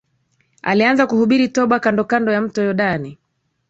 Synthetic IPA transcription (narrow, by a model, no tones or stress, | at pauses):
a̰lianzakuhuɓiɾitɔɓakandɔkandɔjam̩tɔjɔɗani